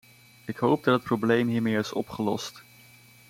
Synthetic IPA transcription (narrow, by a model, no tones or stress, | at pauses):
ɪkɦowb̚dɑtɦət̚problejmɦiːɹmeːɹɪsɔ̰pχəlɔst